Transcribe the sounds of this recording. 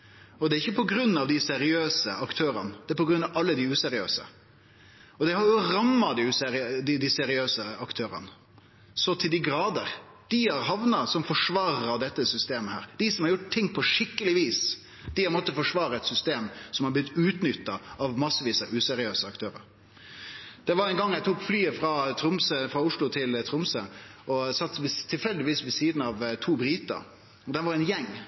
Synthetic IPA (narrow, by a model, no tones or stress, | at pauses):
ɔd̪ɛæɾɪçːəpʰɔɡɾʉnːɑʋd̪ɪsɛɾɪøːsəɑkt̪ʰøːɾɑnəd̪ɛæɾpɔɡɾʉnːɑʋɑlːəd̪ɪʉːsɛɾɪøːsə̰ | ɔd̪ɛhɑɾjʊɾɑmːɑd̪ɪʉːsɛɾɪd̪ɪd̪ɪsɛɾɪøːsəɑkt̪ʰøːɾə̰nə | sɔt̪ʰɪld̪ɪɡɾɑːd̪əɾ | d̪̥ɪhɑɾɦɑʋnɑsɔmfɔʂʋɑːɾəɾɑd̪ɛt̪ːəsʏst̪eːməhæ̰ːɾd̪̥ɪsɔmhɑɾjʊʈt̪ʰːɪŋːpʰɔʂɪkːəlɪʋiːs | d̪̥ɪhɑɾmɔt̪ːəfɔʂʋɑːɾɑɛt̪sʏst̪eːmsɔmhɑblɪt̪ːʉːt̪nʏt̪ːɑɑʋmɑsːəʋiːsəʔʉːsɛɾɪøːsəɑkt̪ʰøːɾə̰ɾ | d̪̥ɛʋɑɾɛnɡɑŋːjæɪt̪ʰuːkflyːəfɾɑt̪ʰɾʊmsəfɾɑʊʂlʊt̪ʰɪlt̪ʰɾʊmsəɔsɑt̪ːʋt̪ʰːɪlfɛld̪ɪʋiːsʋɛsiːd̪n̩ɑʋt̪ʰuːbɾiːt̪ɑ̰ | ɔd̪ɛnʋɑɾɛnjɛŋː